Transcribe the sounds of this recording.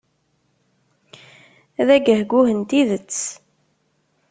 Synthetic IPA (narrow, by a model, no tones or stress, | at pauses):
æðæɡəhɡuhənt̪iðət͡sː